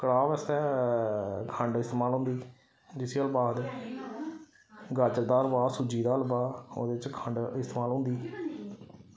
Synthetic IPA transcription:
kəɽaːʋɛːst̪ɛː | kʰəɳɖɪst̪eːmaːlɦõnd̪iː | d͡ʒɪsiəlbaːd̪ | ɡət͡ʃɾd̪aːəɾbaːsud͡ʒiːd̪aːəlbaːo̰ːd̪eːɪt͡ʃkʰə̃ɳɖɪst̪eːmaːlɦʊ̃nd̪iː

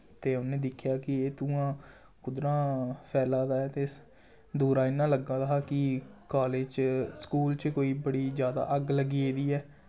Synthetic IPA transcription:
t̪eːʊnẽːd̪ɪkʰːjaːkɪeːt̪ũːãː | kʊd̪ɾãːpʰɛːlãːd̪aːɛːt̪eː | d̪uːɾaːɪnːãːləɡãːd̪aɦaːkɪkaːleːd͡ʒt͡ʃskuːlt͡ʃkoːiːbəɽiːzjaːd̪a̰ːʔəɡləɡiːeːd̪iːɛː

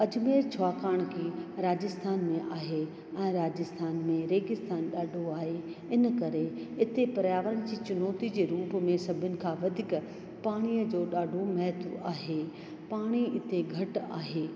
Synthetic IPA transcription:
ɐd͡ʑmeːɾt͡ɕʰʊaːkaːɽ̃kʰiːɾaːd͡ʑɪst̪ʰaːnmẽʔaːɦe | ɛ̃ːɾaːd͡ʑɪst̪ʰaːnmẽɾeːɡɪst̪ʰaːnɗaːɖʱoaːɦeɪnəkɐɾeɪt̪epɐɾjaːʋəɾəɽ̃ɪ̆d͡ʑiːt͡ɕʊnɔːt̪id͡ʑeːɾuːpmẽsɐbʱʊnɪ̆kʰãːʋɐd̪ʱɪk | paːɽ̃iːəd͡ʑoːɗaːɖʱomɛɦt̪uaːɦeː | paːɽ̃iɪt̪eɡʱɐʈa̰ːɦeː

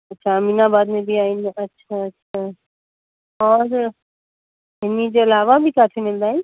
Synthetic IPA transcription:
ɐtːʃʰaːmiːnabaːd̪mẽbʱiaːinɐtːɕʃʰatːʃʰa | ɔːɾ | ɦɪnid͡ʑeɪlaːʋabʱikaːt̪ʰemɪld̪aːɦɪnɪ

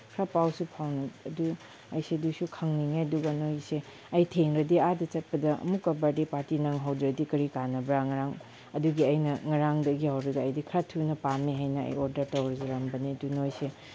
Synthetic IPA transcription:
kʰɾapawsupʰawnɐɐdu | ɐjsedusukʰɐŋniŋeɐduɡɐnojse | ɐjtʰeŋɾɐdiadɐt͡ʃɐt̚pɐdɐɐ̰mukːɐbadipaɾtinaŋɦawdɾɐdikɐɾikanɐbɾaŋɐɾaŋ | ɐduɡiɐjnɐŋɐɾaŋdɐɡihawɾɐɡɐɐjdikʰɾatʰunɐpameɦajnɐɐ̰joɾdɐɾtɐwɾɐzɐɾɐmbɐnidunojse

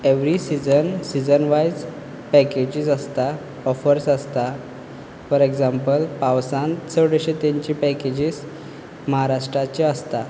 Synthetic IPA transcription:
eʋɾisid͡zənsid͡zənʋajd͡z | pɛked͡ʑisəst̪a | ɔfəɾsəst̪a | fəɾeɡd͡zampəlpãwsãnt̪səʋɽeɕet̪ẽɲt͡ɕipɛked͡ʑiːs | məɦaɾaʂʈɾat͡ɕeəst̪a

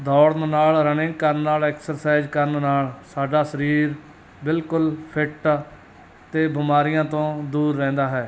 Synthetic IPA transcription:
d̪ɔːɽnnaːlɾənɪ̃ŋɡkəɾnːaːlɛːksəɾsaːɪzkəɾnnaːlsaːɖaːsəɾiːɾ | bɪlkʊlpʰɪʈ | t̪eːbɪmaːɾɪjãːt̪õːd̪uːɾːɛ̃ːnd̪aːɦɛː

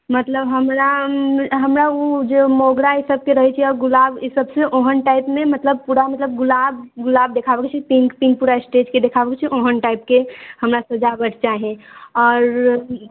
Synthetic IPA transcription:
mət̪ləbɦəmɾa | ɦəmɾaod͡ʒomoɡɽaisəb̚keɾəɦɛt͡ʃʰiɔːɾɡʊlaːbisəbseʔoɦənʈaɪpmẽmət̪ləb̚puɾamət̪ləb̚ɡʊlaːbɡʊlaːb̚d̪ekʰabəkt͡ʃʰipiŋkpĩŋk̚puɾaesʈed͡ʒked̪ekʰabəkt͡ʃʰiʔoɦənʈaɪp̚kehəmɾasəd͡ʒabəʈʰt͡ʃaɦẽɔːɾ

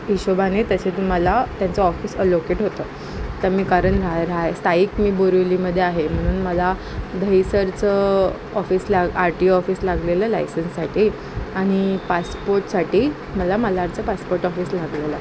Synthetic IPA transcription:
iɕobanet̪əɕet̪um̤alat̪jant͡səɔfiːsəlokeʈɦot̪əː | t̪əɾmiːkaɾəɳɾaɾaest̪ʰaiːkmiːboɾuliməd̪ʱːjeaɦem̤əɽ̃uːnməla | d̪ʱəisəɾt͡sə | ɔfiːslaɡaɾʈiːɔfiːslaɡleləlajsənsːaʈiː | aɽ̃ipaspoɾʈsaʈiː | məlaməlaɾt͡səpaspoɾʈɔfiːslaɡlela

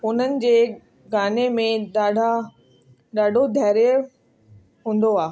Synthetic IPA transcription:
ʊn̤ənɪ̆d͡ʑeː | ɡaːnemẽɗaːɖʱa | ɗaːɖʱod̪ʱɛːɾj | ɦũːnd̪oaː

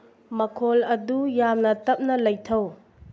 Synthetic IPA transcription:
mɐkʰolɐdujamnɐtɐp̚nɐlɐjtʰɐw

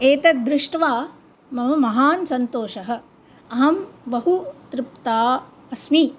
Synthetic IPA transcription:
eːt̪ɐd̪ɾɪʂʈʋaː | mɐmɐmɐɦaːnsɐnt̪oːʃɐɦɐ̆ | ɐɦɐmbɐɦut̪ɾɪp̚t̪aː | ɐsmi

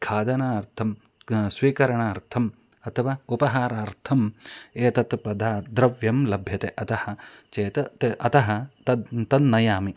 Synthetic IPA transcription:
kʰaːd̪ɐnaːɐɾt̪ʰɐm | sʋiːkɐɾɐɳaːɐɾt̪ʰɐm | ɐt̪ʰɐʋaːupɐɦaːɾaːɾt̪ʰɐmeːt̪ɐt̪pɐd̪ʱaːd̪ɾɐʋjɐmlɐbʱjɐt̪eʔɐt̪ɐhɐ̆t͡ʃeːt̪ɐt̪ʔɐt̪ɐɦɐ̆t̪ɐt̪ɐnːɐjaːmi

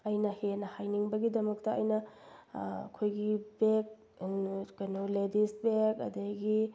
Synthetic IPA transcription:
ɐjnɐhenɐhajniŋbɐɡidɐmɐk̚tɐɐjnɐ | kʰojɡibek̚ | kɐjnoledist̚bekɐ̰dɐɡi

